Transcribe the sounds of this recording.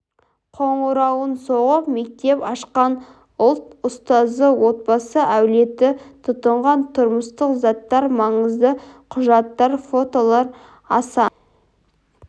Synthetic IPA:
qʰoɴuɾɑwənso̞ʁəpme̞k̚t̪e̞pɑʃqɑn | ʊlˠt̪ʊst̪ɑzəwo̞t̪̚bɑsəʔæwle̞t̪ɪt̪ʰʊt̪əɴʁɑnt̪ʰʊɾməst̪əqzɑt̪ːɑɾmɑɴəzd̪əqʰʊʒɑt̪ːɑɾfo̞t̪olˠɑɾ | ɑsɑ

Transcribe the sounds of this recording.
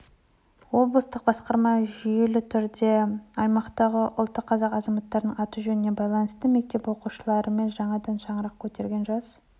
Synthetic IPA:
wo̞blˠəst̪əq̚bɑsqɑɾmɑʒʏje̞lɪt̪ʰʏɾd̪e̞ɑjmɑqt̪ɑʁəʔʊ̰lˠt̪ːəqʰːɑzɑqɑzɑmɑt̪ːɑɾənəɴɑt̪uʒɵnɪne̞bɑjlˠɑnəst̪əme̞k̚t̪e̞pwo̞quʃəlˠɑɾəme̞nʒɑɴɑd̪ɑnʃɑɴəɾɑqkʲʰɵt̪e̞ɾɡʲe̞nʒɑz̥

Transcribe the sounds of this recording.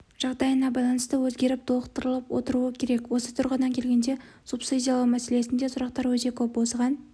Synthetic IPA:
ʒ̥ɑʁd̪ɑjənɑbɑjlˠɑnəst̪əwɵzɡʲe̞ɾɪp̚d̪ʰo̞qt̪əɾəlˠəpwo̞̰t̪əɾuəkʲʰe̞ɾe̞kwo̞sət̪ʰʊɾʁəd̪ɑŋkʲʰe̞lɡʲe̞nd̪e̞ | supsid̪ʲijɑlˠɑwmæse̞le̞sɪnd̪e̞sʊɾɑqt̪ɑɾwɵt̪e̞kʲʰɵpwosəʁɑn

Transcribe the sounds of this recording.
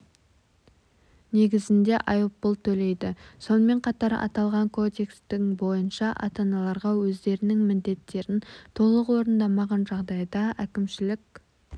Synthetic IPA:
ne̞ɡʲɪzɪnd̪e̞ʔɑjəpːəlˠt̪ʰɵle̞jd̪ɪso̞nəme̞ɴqʰɑt̪ɑɾɑ̰t̪ɑlˠʁɑŋkʰo̞d̪ʲe̞kst̪ɪŋbo̞jənʃɑʔɑ̰t̪ɑnɑlˠɑɾʁɑwɵzd̪e̞ɾɪnɪŋmɪnd̪e̞t̪ʰːe̞ɾɪnt̪ʰo̞lˠəqwo̞ɾənd̪ɑmɑʁɑnʒɑʁd̪ɑjd̪ɑækʲɪmʃɪlɪkʲ

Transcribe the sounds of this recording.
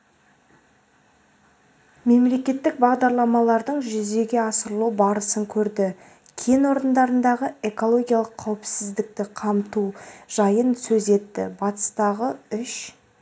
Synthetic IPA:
me̞mle̞kʲe̞t̪ːɪk̚bɑʁd̪ɑɾlˠɑmɑlˠɑɾd̪əɴʒʏze̞ɡʲe̞ɑsəɾəlˠubɑɾəsəŋkʲʰɵɾd̪ɪ | kʲʰenwo̞ɾənd̪ɑɾənd̪ɑʁəe̞ko̞lˠo̞ɡʲijalˠəqʰːɑwɪpsɪzd̪ɪk̚t̪ɪqʰɑmt̪uʒ̥ɑjənsɵze̞t̪ːɪ̰bɑt̪ə̥st̪ɑʁəʏʃ

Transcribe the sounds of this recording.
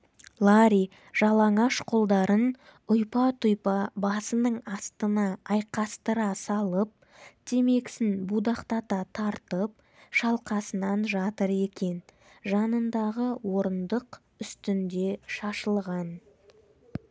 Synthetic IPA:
lˠaɾi | ʒ̥ɑlˠɑɴɑʃqʰolˠd̪ɑɾən | ʊjpɑt̪ʰʊjpɑbɑsənəɴɑst̪ənɑːjqɑst̪əɾɑsɑlˠəp̚ | d̪̥ʰeme̞ksɪnbud̪ɑqt̪ɑt̪ɑt̪ʰɑɾt̪əp̚ | ʃɑlˠqɑsənɑnʒɑt̪əɾe̞kʲe̞n | ʒɑnənd̪ɑʁəwo̞ɾənd̪əq | ʏst̪ɪnd̪e̞ʃɑʃəlˠʁɑn

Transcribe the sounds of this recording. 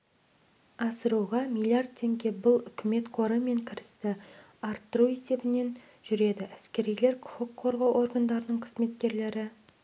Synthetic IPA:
ɑsəɾuʁɑmilʲˠiard̪̚t̪ʰːe̞ŋɡʲe̞bʊlˠʏkʲʰɪme̞t̪qʰoɾəme̞ŋkʲʰɪɾɪst̪ɪ | ɑɾt̪ːəɾue̞se̞bɪne̞n | ʒʏɾe̞d̪ɪʔæskʲe̞ɾijle̞ɾkʲʰʊ̥χʊkqʰo̞ɾʁɑwʔo̞ɾɡand̪ɑɾənəɴqʰə̥zme̞t̪kʲe̞ɾle̞ɾɪ

